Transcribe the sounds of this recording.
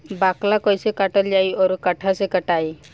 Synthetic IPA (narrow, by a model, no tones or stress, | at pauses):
baklakɔjsekaʈɔld͡ʒajɔɾukaʈʰasekəʈaj